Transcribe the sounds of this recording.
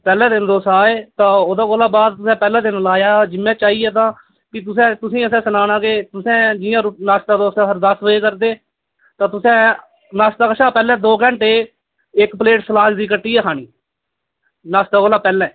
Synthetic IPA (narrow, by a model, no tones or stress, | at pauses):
pɛːlɛ̃ːd̪ɪnd̪oːsaːeːt̪ãːoːd̪ãːkoːlaːbaːd̪̚t̪ʊsɛ̃ːpɛːlɛ̃ːd̪ɪnlaːjaːd͡ʒɪmːɛ̃ːt͡ʃaːiːɛːt̪̬ãː | kɪt̪̬ʊsẽːt̪ʊsĩːəsɛ̃ːsənaːnãːkeːt̪ʊsɛ̃ːd͡ʒɪjãːɾʊnaːst̪aːd̪oːsãːɦəɾd̪əsʋəeːkəɾd̪eː | t̪ãːt̪ʊsɛ̃ː | naːst̪aːkəʃaːpɛːlɛ̃ːd̪oːkɛ̃ɳʈeː | ɪkpəleːʈsəlaːd͡ʒd̪iːkəʈːiːɛːɦaːnḭː | naːst̪aːkoːlaːpɛːlɛ̃ː